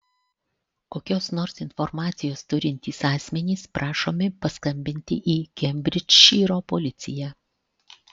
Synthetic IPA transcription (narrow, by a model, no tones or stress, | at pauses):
koːkʲoːsnɔɾsɪnfɔɾmɑːt̪sʲɪjoːst̪ʊɾʲɪnʲt̪ʲiːsɑːsʲmʲɛnʲiːspɾʔɑːʃoːmʲɪpɐskɐmʲbʲɪnʲt̪ʲɪ̰ʔiːkʲɛmʲbʲɾʲɪt͡ʃʃʲiːɾoːpɔlʲɪt̪sʲɪjæː